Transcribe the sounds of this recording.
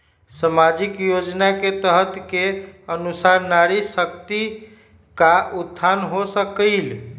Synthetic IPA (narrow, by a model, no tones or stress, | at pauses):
səmad͡ʒikjod͡ʒnaket̪əɦət̪keənusaɾnaɾisəkt̪i | kaʔud̪ʱːanɦosəkəl